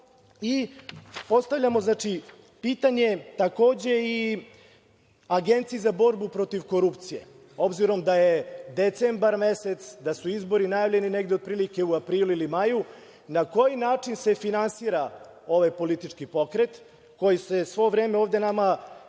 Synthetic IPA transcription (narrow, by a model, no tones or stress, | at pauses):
i | po̞st̪aʋʎamo̞znaːt͡ʂi | piːt̪aɲe̞t̪ako̞ːd͡ʑe̞i | aɡe̞nt̪sijizabo̞ɾbupɾo̞t̪iʋko̞ɾupt̪sije̞̰ | o̞bziɾo̞md̪ajed̪et̪sembaɾmeset̪sd̪asuizbo̞ɾinajavʎe̞nineɡd̪eo̞d̪̚pɾiːlike̞uapɾiːluilimaju | nako̞jinaːt͡ʂinse̞finansiːɾa | o̞ʋajpo̞lit̪it͡ʂkipo̞kɾe̞t̪ | ko̞jise̞sʋo̞vɾeːmeoːvd̪e̞nama